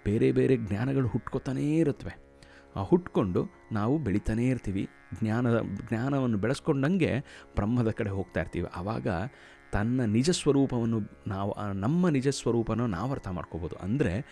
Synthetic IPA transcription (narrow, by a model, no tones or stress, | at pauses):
b̥e̞ːɾe̞be̞ːɾe̞ɡnaːnɐɡɐɭuɦuʈkot̪aːneːiɾut̪ːɐʋe̞ | aːhuʈko̞ɳɖu | naːʋubeɭit̪aːne̞ːiɾt̪iːʋḭ | ɡnjaːnɐ̰ɡnaːnɐʋɐnːubɛɭɐsko̞ɳɖɐŋɡe̞̰b̥ɾɐmːɐd̪ɐkɐɽe̞ɦo̞ːɡ̚t̪aːiɾt̪ḭːʋḭʔɐʋa̰ːɡɐ̰ | t̪ɐnːɐnid͡ʒɐsʋɐɾuːpɐʋɐnːunaːʋuʔnɐmːɐnid͡ʒɐsʋɐɾuːpɐnuna̰ːʋɐɾt̪ʰɐma̰ːɽkoboːd̪uʔɐ̰nd̪ɐɾe̞